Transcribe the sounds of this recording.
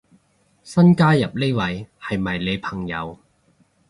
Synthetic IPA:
sɐ˥nkaː˥jɐ˨p̚le˥wɐ˨˧jhɐ˨jmɐ˨˩jle˨˧jpʰɐ˨˩ŋjɐ̰˨˧w

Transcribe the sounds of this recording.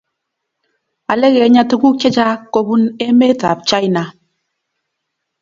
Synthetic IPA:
a˨le˦ɣe˨˦ɲa˦to˦ku˦ke˦d͡ʒa˦ko˦bu˦ne˦me˦ta̰˨p̚t͡ʃa˦i˦na˨

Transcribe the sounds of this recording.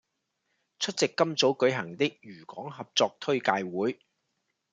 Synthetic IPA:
t͡sʰɵ˥t̚t͡sɪ˨kːɐ˥mt͡so˨˥wkɵ˨˥ɥɦɐ˨˩ŋt̪ɪ˥k̚jyː˨˩kɔː˨˥ŋɦɐ˨p̚t͡sɔː˧k̚t̪ʰɵ˥ɥkaː˧jwuː˨˥j

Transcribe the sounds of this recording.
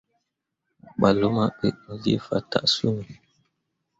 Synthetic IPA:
ɓa˨lo˦ma˦ɓḛ˨ʔnu˨lḭ˦fa̰˨ta̰˨ʔsu˦ni˨

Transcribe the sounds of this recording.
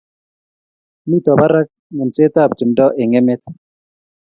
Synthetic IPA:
mi˦˨tɔ˨ba˦ɾa˦k̚ | ŋe˨nse˦ta˦˨p̚d͡ʒu˨mdɔ˦ʔe˨ŋe˦me˦t̪̚

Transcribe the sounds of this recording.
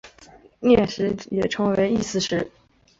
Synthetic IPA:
njɛ˥˩ʂɻ̩˧˥jɛ˨˩ʈ͡ʂʰɤ˧˥ŋwe˧˥ɪi˥˧sɹ̩˥˧ʂɻ̩˥˩

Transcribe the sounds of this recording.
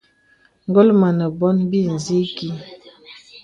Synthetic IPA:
ŋ˦ɡo˦lma˨nə˨bɔ˦nbi˦˨n˨zi˦ki˦

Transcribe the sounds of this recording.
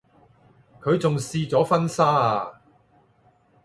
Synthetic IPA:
kʰɵ˨˧ɥt͡sʊ˨ŋsiː˧t͡sɔː˨˥fɐ˥nsaː˥a˨˧

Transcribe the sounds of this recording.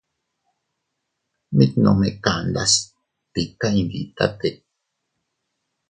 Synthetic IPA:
mi˦t̪nõ˨me˨ka˨nd̪a˦s | pi˨ka˦i˨ŋɡḭ˨t̪a̰˦t̪e˨

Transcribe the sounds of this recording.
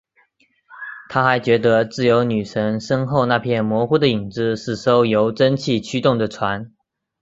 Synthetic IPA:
t̪ʰa˥xa˧˥ɪt͡ɕɥɛ˧˥d̪ə˧˦t͡sɹ̩˥˩jo˧˥ʊny˨˩ʂʰə˧˥ŋʂə˥ŋxo˥˧ʊna˥˧pʰjɛ˥˩nmwɔ˧˥xu˥d̪ə˨i˨˩ŋt͡sɹ̩˥˧ʂɻ̩˥˩ʂo˥ʊjo˧˥ʊʈ͡ʂə˥nt͡ɕʰi˥˩˨t͡ɕʰy˥t̪ʊ˥˩ŋd̪ə˩ʈ͡ʂʰwa˧˥n

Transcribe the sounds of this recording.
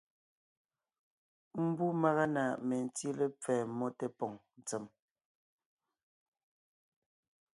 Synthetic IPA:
m̩˦bu˦ma˦ɣa˦na˨me˨n̩˨t͡si˦lɛ˦p͡fɛː˨mɔ˦te˦pɔ˨ŋn˨t͡sɛ˨m

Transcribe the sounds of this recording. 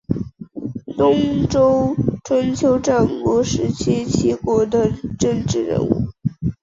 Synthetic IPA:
t̪ʊ˥ŋʈ͡ʂo˥ʊʈ͡ʂʰwa˧˥nt͡ɕʰjo˧˥ʊʈ͡ʂa˥˩ŋkwɔ˧˥ʂɻ̩˧˥t͡ɕʰi˥t͡ɕʰi˥kwɔ˧˥d̪ə˧ʈ͡ʂə˥˧ŋʈ͡ʂɻ̩˥˩ɻə̰˧˥nṵ˥˩

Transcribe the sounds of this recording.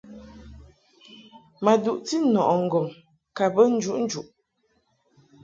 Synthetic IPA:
ma˨du˨ʔti˦nɔ˨ʔɔ˨ŋ̩˨ɡɔ˨ŋ | ka˨bə˦n̩˦d͡ʒu˦ʔn̩˦d͡ʒu˨ʔ

